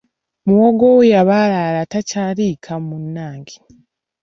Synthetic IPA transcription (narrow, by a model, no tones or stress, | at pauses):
muwoɡowejaβalalatacaːɾikʰamunːaːŋɡi